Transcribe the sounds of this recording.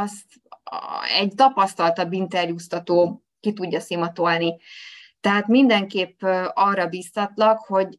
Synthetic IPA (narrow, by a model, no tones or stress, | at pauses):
ɒst̪ | ɛ̰ɟt̪ɒpɒst̪ɒlt̪ɒbint̪ɛrjuːst̪ɒt̪oː | kit̪uɟːɒsimɒt̪o̞lnit̪ɛɦaːt̪mind̪ɛŋkeːpːɒrːɒbiːst̪ɒt̪lɒkho̞ɟ